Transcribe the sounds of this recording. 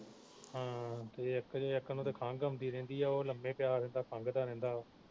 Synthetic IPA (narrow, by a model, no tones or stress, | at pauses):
hãːt̪ɐjɐkd͡ʑoːjɐkənõt̪ekʰãːŋɡəmd̪iɾẽːnd̪iɛːoləmẽːpjaːɾɛ̃ːnd̪aːkʰãːŋɡd̪aːɾẽːn̆d̪aː